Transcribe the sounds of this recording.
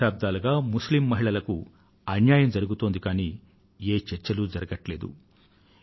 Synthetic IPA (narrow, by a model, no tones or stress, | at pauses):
aːb̚d̪aːluɡaːmuslimːɐɦiɭɐlɐku | ɐnjaːjɐmd͡ʒɐɾuɡut̪o̞ːnd̪ikaːniː | eːt͡ʃɛɾt͡ʃɐlud͡ʒɐɾɐɡɐʈle̞ːd̪ṵ